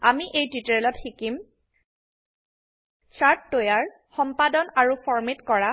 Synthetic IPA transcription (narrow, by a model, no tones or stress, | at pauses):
amiʔejtiteɹlɔtxikim | saɹtːojaɹ | xɔmpadɔnaɹupʰɔɹmitkɔɹa